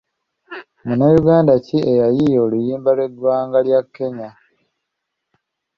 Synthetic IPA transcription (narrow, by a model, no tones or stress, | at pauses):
munajuɡaːndaciejajijo̞ːlujiːmbalwe̞dwaːŋɡaljakːe̞ɲa